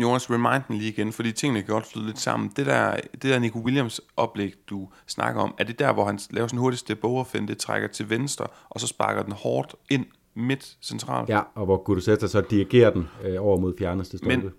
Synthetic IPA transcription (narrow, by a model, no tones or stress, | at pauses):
jo̝ːnæsʁimɑ̈ɪnd̥n̩liːiɡ̥enfɒd̥ḭːt͡sʰe̝ŋ̰ənəkʰæɡ̥ɒ̽d̥flyð̞ˠle̝d̥sɑ̈m̰n̩d̥ed̥æɐd̥edæɐnikʰo̝wiljamsʔɒ̽b̥leɡ̥d̥u | snɑ̈ɡ̥ɐɒ̽mæɐd̥e̝d̥æɐʋɒhænlɛ̰ːʊɐsɒnɦoɐdisd̥eb̥oʊɒfenəd̥e̝t͡sʰʁa̰ɡ̥ɐt͡sʰe̝lʋensd̥ʁɐ | ʔɒ̽sɒ̽sb̥ɑ̈ɡ̥ɐd̥enhɒːd̥e̝n̰ | me̝d̥sent͡sʰʁɑ̰̈ːlɒ̽ʋɒɡ̥uɾusedɐsɒ̽d̥iʁiɡ̥e̝̰ːɐd̥enɒʊɐmo̝ð̞̰ˠfjæɐnəsd̥ʰesd̥menə